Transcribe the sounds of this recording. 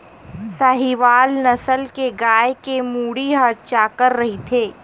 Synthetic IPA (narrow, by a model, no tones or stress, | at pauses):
saɦiʋaːlnɐsəlkeɡaːekemuːɽiɦət͡ʃakəɾːɐɦit̪ʰeː